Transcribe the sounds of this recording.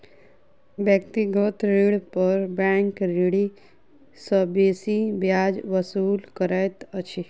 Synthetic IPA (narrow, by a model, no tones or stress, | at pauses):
bjək̚t̪iɡət̪ɾiɽpəɾbɛ̃ːŋkɾiɽi | səbeːsibjaːd͡ʒʋəsuːlkəɾajt̪ət͡ʃʰi